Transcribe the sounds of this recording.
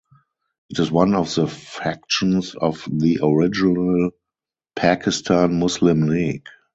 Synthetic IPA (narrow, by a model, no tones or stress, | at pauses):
ʔɪtɪswãnɔfðəfæk̚ʃə̃nsɔfðiʔɔɹɪd͡ʒɪnəl | pʰakʰɪstʰãnmʊslɪ̃mliɡ